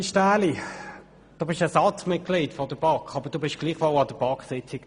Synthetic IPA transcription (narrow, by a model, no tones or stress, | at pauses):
iʃtæːli | d̥oːbɪʃɛsɑt͡smɪt̚klitfɔdəb̥ɑkχɑbəd̥uːbɪʃɡ̥liːχʋɔlɑd̥əb̥ɑksɪt͡sɪɡ